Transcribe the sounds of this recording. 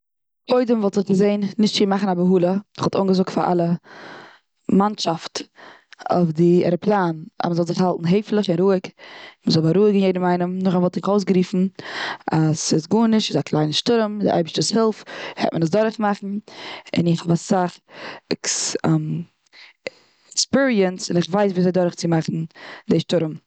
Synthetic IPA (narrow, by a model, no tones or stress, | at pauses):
kʰoɪdəmvɔlˠtɪχɡəzeɪnːɪʃtt͡ʃiːmaχn̩abəɦuːlˠəɪχɔlˠto̰ŋɡəzʊk̚tfa̰ʔa̰lˠə | manʃaft | o̰fdɪɛ̰ɾəplˠaːna̰məzɔlˠzɪχhalˠtn̩ɦeɪflˠəχɪnɾuːɪkməzɔlˠbaɾuːɪɡɪnjeɪdəmaɪnəmnʊχavɔlˠtnɪχoʊs̬ɡɾiːfn̩ | asɪsɡuːnɪʃɪzaklˠaɪnəʃtʊɾmdɪ̰ʔa̰ɪbəʃtəshɪlˠfhɛ̰tmʔənəs̬dɔɾəχmaχn̩ɪ̰nɪχhɔbasaχɛkm | ɛkspiɹiənsɪnɪχvaɪs̬viːzaɪdɔɾəχt͡sɪmaχn̩dɪʃtʊɾəm